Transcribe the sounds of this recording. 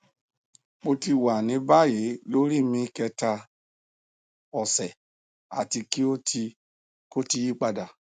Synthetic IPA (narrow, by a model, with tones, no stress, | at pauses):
k͡po˧ti˧wa˨nĩ˨˧˦ba˦˨je˨˦lo˦ɾi˦˨mĩ˧kɛ˧ta˧ | ɔ˨sɛ˨ | a̰˨ti˧ki˦o˦tʰi˧ | ko˦ti˧ji˦k͡pa˧da˨